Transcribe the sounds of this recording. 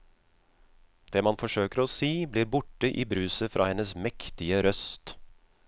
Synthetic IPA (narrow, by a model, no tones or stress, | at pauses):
d̪̥eːmɑnfɔʂøːkəɾɔːsiːbliːɾbʊʈːəʔiːbɾʉːsəfɾʔɑ̰ːhɛnəsmɛkt̪ɪəɾœst̪